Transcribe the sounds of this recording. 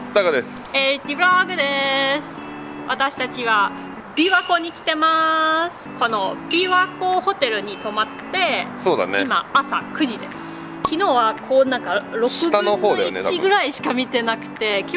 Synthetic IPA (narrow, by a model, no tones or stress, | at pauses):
d̪aɡad̪esɨ̥ | et̪ʲibɯɾaɡɯ̟d̪e̞sɨ̥ | βat̪aɕi̥t̪at͡ɕiβa | bʲiβako̞ːɲ̟ikʲi̥t̪e̞masɨ̥ko̞no̞bʲiβakoːho̞t̪e̞ɾɯ̟ɲ̟it̪o̞mat̪ːe̞so̞ːd̪a̰neima̰asa̰kɯ̟ʑid̪e̞sɨ̥ | kʲino̞ːβakʰoːnãŋkaɾo̞kɯ̟bt̪anohoːd̪ajoḭet̪aiɡɯ̟ɾaiɕi̥kamʲit̪e̞nakɯ̟̥t̪e̞kʲ